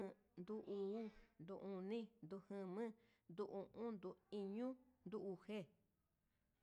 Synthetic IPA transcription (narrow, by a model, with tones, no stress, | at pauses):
ɨ̃˧ | nd̪u˧ʔu˧u˦nd̪u˧ʔũ˧nĩ˦nd̪u˧hɨ̃˧mɨ̃˦ | nd̪u˧ʔũ˧ʔũ˦nd̪u˧i˧ɲũ˦nd̪u˦˧u˧˨he˦